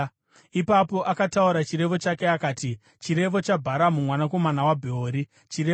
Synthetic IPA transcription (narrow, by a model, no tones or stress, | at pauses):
ipapo̞ʔakatauɾat͡ʃiɾe̞ʋo̞t͡ʃake̞akaːti | t͡ʃiɾe̞ʋo̞t͡ʃabʱaɾamumwanako̞manawabʱeoːɾi | t͡ʃiɾe